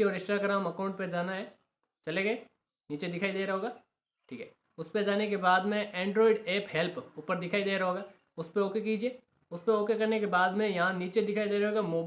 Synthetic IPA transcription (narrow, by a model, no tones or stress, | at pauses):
iɔːɾɪsʈɾaːɡɾaːmɐkaːʊ̃ɳʈ̚ped͡ʒaːnaɦɛː | t͡ʃɐleɡeː | niːt͡ʃed̪ɪkʰaːid̪eːɾɐɦoːɡaː | ʈʰḭːkɦɛː | ʊsped͡ʒaːnekebaːd̪mẽʔɛ̃ːɳɖɾɔːɪɖeːpɦɛlpʊpəɾd̪ɪkʰaːid̪eːɾɐɦoːɡaː | ʊspeoːkekiːd͡ʒieː | ʊspeoːkekɐɾnekebaːd̪mẽjɐɦãniːt͡ʃed̪ɪkʰaːid̪eːɾɐɦoːɡamoːb